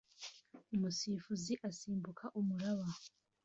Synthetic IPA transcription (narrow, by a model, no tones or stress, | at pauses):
umusiːfuziʔasiːmbukʰaʔumuɾaβa